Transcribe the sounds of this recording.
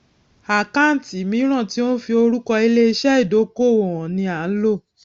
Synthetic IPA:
a˨ka˦n̩˨ti˨˦mĩ˨˦ɾ̃ã˦˨ti˨˦o˦fi˧o˧ɾu˦kɔ˧i˧le˦i˧ʃɛ˦i˦˨do˨˦ko˦˨wɔ˨ɔ̃˨nĩ˧a˨n̩˦lo˦˨

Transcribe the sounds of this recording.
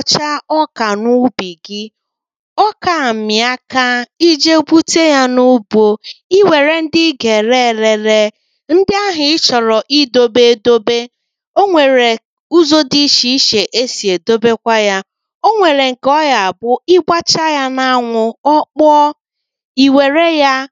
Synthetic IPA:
t͡ʃa˦ɔ˦ka˨nu˦bi˨ɡɪ˦ | ɔ˦ka˨m̩˨mɪ˨a˦ka˦i˦d͡ʒe˦bu˦te˦ja˦nu˦bo˨i˦we˨ɾe˨n̩˦dɪ˦ɡe˨ɾe˦˨ɾe˨ɾe˦ | n̩˦dɪ˦a˦ɦɪ˨ɪ˦t͡ʃɔ˨ɾɔ˨ʔi˦do˦be˦˨do˦be˦ | o˦ŋʷe˨ɾe˨ | u˦zo˦di˦ʃi˦i˦ʃe˨ʔe˦si˨e˨do˦be˦kʷa˦ja˦ | o˦ŋʷe˨ɾe˨ŋ̩˨kɔ˦ja˨bʊ˦ɪ˦ɡ͡bʷa˦t͡ʃa˦ja˦na˦ŋʷʊ˨ɔ˦k͡pɔ˦ | i˨we˨ɾe˦ja˦

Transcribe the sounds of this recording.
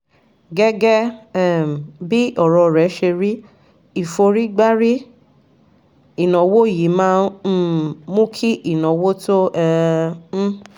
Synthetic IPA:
ɡɛ˦ɡɛ˦˨ | bi˦ɔ˦˨ɾɔ˧ɾɛ˨˦ʃe˧ɾi˦ | i˨fo˧ɾi˦ɡ͡ba˦ɾi˦ | i˦˨nɔ̃˨wo˦˨ji˨˦mãː˨˦ | mũ˦kʰi˦ʔi˦˨nɔ̃˨wo˦to˦ɛ˧m̩˦

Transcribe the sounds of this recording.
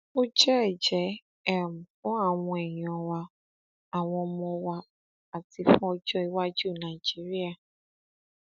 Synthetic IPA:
o˦d͡ʒɛ˦˨d͡ʒɛ˨˦ | ɛ˦m̩˨ɔ˦a˨ŋʷ˨˦e˨ɲ˨ɔ˨wa˦ | a˨ŋʷɔ̃˧˦mɔ˦˧wa˦ | a˨ti˨fɔ˦d͡ʒɔ˦i˦wa˦d͡ʒu˦˨na˨i˨d͡ʒi˦ɾi˦a˨

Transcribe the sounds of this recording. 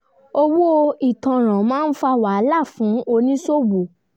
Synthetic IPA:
o˧wo˦o˧i˨tã˨ɾ̃ã˨mãː˦n̩˦fa˦˨wa˨˦la˦˨fũ˨˦o˧nĩ˦so˦bu˨

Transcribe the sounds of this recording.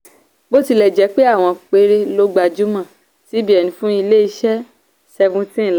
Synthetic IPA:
bo˦ti˧lɛ˨d͡ʒɛ˨˦k͡pe˦a˦˨w̃ɔ̃˧k͡pe˧ɾe˧lo˧ɡ͡ba˨d͡ʒu˨˦mã˨ | ti˨˦bi˦ɛ˦˨nĩ˨fũ˦i˧le˦i˧ʃɛ˦ | sɛ˧ɡũ˦tĩ˦˨l

